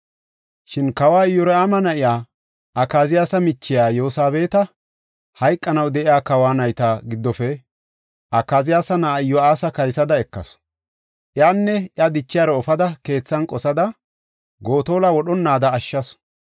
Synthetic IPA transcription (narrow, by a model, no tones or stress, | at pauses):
ʃɪnkɐwaːɪjːɔɾɛamɐnɐʔɪjaː | ʔɐkːaːzɪjaːsɐmɪt͡ʃːɪjaːjo̞ːsaːbe̞ːt̪ɐ | hɐjkʼːɐnɐwd̪ɛʔɪjaːkɐwaːnɐjt̪ɐɡɪd̪ːɔfɛ | ʔɐkːaːzɪjaːsɐnaːɪjːɔaːsɐkɐjsɐd̪ɐɛkːɐ̰s | ʔjaːnːɛʔjɐd̪ɪt͡ʃːɪjaːɾɔɔfɐd̪ɐke̞ːt͡sːɐnkʼɔsɐd̪ɐ | ɡo̞ːt̪o̞ːlawɔɗɔnːaːd̪ɐːʃːɐs